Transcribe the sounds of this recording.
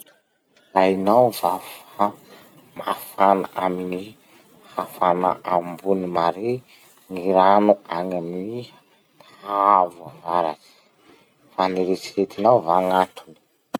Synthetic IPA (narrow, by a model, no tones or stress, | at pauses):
ajnawvafa | mafana̰ʔamini | hafana̰ʔambunimaɾe | ŋiɾanuaŋamini | aavuavaɾa̰zi̥ | faniɾet͡siɾet̪inawvaŋatʰuni̥